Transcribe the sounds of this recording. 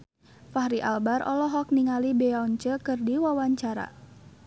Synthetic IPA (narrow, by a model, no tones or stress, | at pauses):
fahɾiʔa̰lbarʔɔ̰lɔɦɔk̚niŋalibeauɲt͡ʃəkɨrdiwawaɲt͡ʃaɾa̰